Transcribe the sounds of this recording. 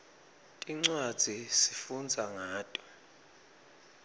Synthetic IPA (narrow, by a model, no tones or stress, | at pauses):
tʼiŋ͡ǀwad̥d͡z̥ʱisifund͡zʱaŋaːtʼɔ̥